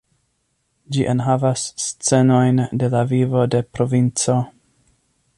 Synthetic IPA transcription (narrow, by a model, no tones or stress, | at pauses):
d͡ʒiʔenɦavasːt͡se̞no̞jnde̞lavivo̞de̞pɾo̞vint͡so̞